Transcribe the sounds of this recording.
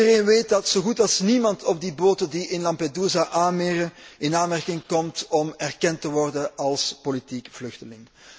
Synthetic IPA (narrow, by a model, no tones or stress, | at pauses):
əreːnʋeːt̚dɑtsoːɣutɑlˠsnimɑntʰɔb̚diboːtədiʔɪnlɑmpeduːzaʔaːnmeːɾəɪnaːnmɛrkɪŋkɔmtɔmɛrkɛntəʋɔrdəɑlˠspolitikv̥lʏxtəlɪŋ